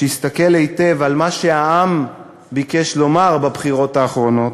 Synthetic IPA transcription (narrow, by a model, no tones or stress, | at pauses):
ʃeist̪akelejt̪e̞valmaʃe̞aam | bikeʃlo̞maʁbabχiʁo̞t̪haːχʁo̞no̞t̪